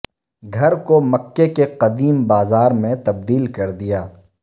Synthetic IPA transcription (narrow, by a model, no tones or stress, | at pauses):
ɡʱɐɾkomɐkːekeqɐd̪iːmbaːzaːɾmẽt̪ɐb̚d̪iːlkɐɾd̪ijaː